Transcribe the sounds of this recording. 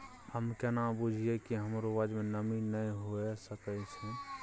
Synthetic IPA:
həmkenabud͡ʒʱijekiɦəmɾoʋad͡ʒmẽnəminəĩɦoesəkət͡ʃʰɛ̃

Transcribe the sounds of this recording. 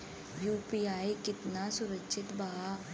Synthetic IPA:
juːpiaːikɪt̪nasʊɾəkʃɪt̪bɐɦa

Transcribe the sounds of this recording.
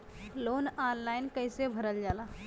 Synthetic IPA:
lonanlajnkəjsebʱəɾəld͡ʒala

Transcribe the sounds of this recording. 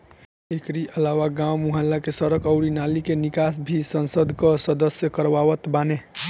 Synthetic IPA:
ekɾiʔəlawaɡãwmuɦəlːakesəɾəkəʊɾinalikenikasbʱisənsəd̪ʱkəsəd̪əsjəkəɾʋaʋət̪bane

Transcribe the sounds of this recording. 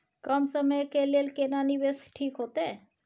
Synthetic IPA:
kəmsəməjkeleːlkenaːniʋesʈʰiːkɦoːt̪eː

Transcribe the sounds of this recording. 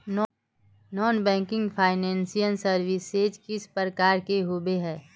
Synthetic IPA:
nɔːnbɛ̃ːŋkɪ̃ŋɡpʰaːɪnɛ̃ːnsijənsəɾʋɪsed͡ʒkɪspɾəɾəkaːɾkeɦobeɦɛː

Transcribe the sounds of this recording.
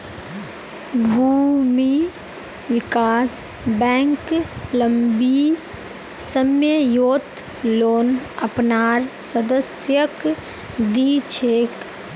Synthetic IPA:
bʱuːmi | ʋɪkaːs | bɛ̃ːŋkləmbi | səmjəjoːt̪ | loːnəpnaːɾsəd̪əsjək | d̪it͡ʃʰeːk

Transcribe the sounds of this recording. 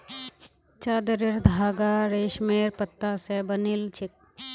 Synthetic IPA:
t͡ʃaːd̪əɾɪɾd̪ʱaːɡaɾeːʃmeːɾpət̪ːasebɐnilt͡ʃʰɪk̚

